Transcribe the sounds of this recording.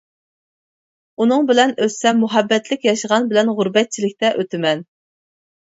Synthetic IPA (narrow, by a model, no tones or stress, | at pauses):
unɨŋbɪlɛnøssɛmuɦɛbːɛt̪lɪkʲjɑʃəʁɑnbɪlɛnʁʊɾbɛt̪̚t͡ʃʰilɪk̚ʲt̪ɛʔøt̪ʰɪmɛn